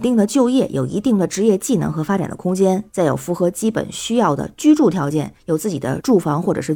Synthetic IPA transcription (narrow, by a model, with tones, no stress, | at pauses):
t̪i˥˩ŋd̪ə˩t͡ɕjo˥˧ʊjɛ˥˩jʔo˨˩ʊḭ˧˥t̪i˥˩ŋd̪ə˩ʈ͡ʂɻ̩˧˥jɛ˥˧t͡ɕi˥˩nɤ̰˧˥ŋxɤ˧˥fa˥ʈ͡ʂa̰˨˩nd̪ə̰˦kʰʊ˥ŋt͡ɕjɛ˥nt͡sa˥˩ɪjo˨˩ʊfu˧˥xɤ˧˥t͡ɕi˥pə̰˨˩nɕy˥jɑ˥˩ʊd̪ə̰˩t͡ɕy˥ʈ͡ʂu˥˩t̪ʰjɑ˧˥ʊt͡ɕjɛ˥˩njo˨˩ʊt͡sɹ̩˥˩t͡ɕi˨˩d̪ə̰˦ʈ͡ʂu˥˩fɑ˧˥ŋxwɔ˥˩ʈ͡ʂɤ˨˩ʂɻ̩˥˩